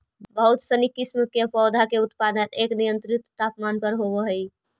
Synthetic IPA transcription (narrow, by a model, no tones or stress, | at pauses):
bəɦut̪sənikːismkepɔːd̪ʱakeut̪pad̪əneknijənt̪ɾit̪t̪apmanpəɾɦoβəɦəj